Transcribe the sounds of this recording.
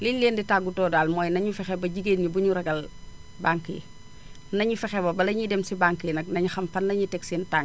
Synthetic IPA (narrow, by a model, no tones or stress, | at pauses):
lillːeːnditaːɡutɔːdaːlmɔːjnɐɲufɛxɛbɐɟiɡeːnɲubuɲuɾɐɡɐl | baŋki | nɐɲufɛxɛbɐbɐlɐɲidɛmsibaŋkinɐk̚nɐɲuxɐmfɐnːɐɲitɛksintaŋ